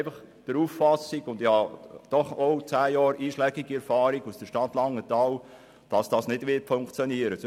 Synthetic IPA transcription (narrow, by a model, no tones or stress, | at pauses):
fɑχ | d̥əɾuffɑsiɡʊndɪhɑd̥ɔχowt͡sæːjɑːɾʔiːʃlɛɡ̥iɡ̥iɛɾfɑːɾiɡusd̥əʃtɑtlɑŋːətɑːw | d̥ɑsd̥ɑːsnɪd̥ʋɪtfoŋkt͡sjɔniəɾə